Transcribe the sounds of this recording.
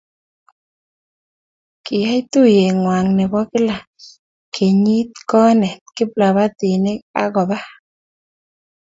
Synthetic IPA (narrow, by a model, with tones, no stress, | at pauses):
kɪ˨ja˦jt̪u˦˨je˨ŋwa˨ŋnɛ˨bɔ˦kɪ˦la˨ | kʰe˨ɲi˦t̪̚kɔ˦nɛ˨t̪̚kɪ˦pla˨βa˦t̪ɪ˨ne˦ka̰˦ɣɔ˨ba˦